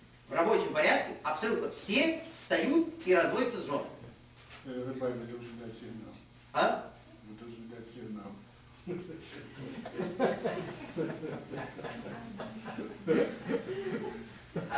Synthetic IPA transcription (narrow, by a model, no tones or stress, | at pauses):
vrɐbo̞t͡ɕɪmpɐɾʲat̪̚kʲɪɐpsɐlʲut̪nəfsʲefst̪ɐjut̪̚iɾɐzvodʲɪt̪səzʐo̰n̰ | t̪əpajʲnɐd̪elˠʂʲd̪atʲsʲemnam | a | vɨd̪əlˠʐʲd̪at̪ʲsʲemnam